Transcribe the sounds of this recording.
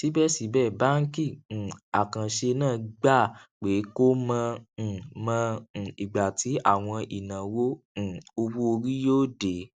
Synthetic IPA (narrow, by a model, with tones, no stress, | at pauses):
si˨˦bɛ˦˨si˨˦bɛ˦˨ba˦ŋ̩˦kĩ˦˨a˨kã˨ʃe˧nãː˦˨ɡ͡ba˦˨k͡pe˨˦ko˦mã˧˨ | mã˧˨i˨ɡ͡ba˨ti˨˦a˦˨w̃ɔ̃˧ʔi˨nã˨wõ˦˨ | o˧bu˦o˧ɾi˦joː˦de˨˦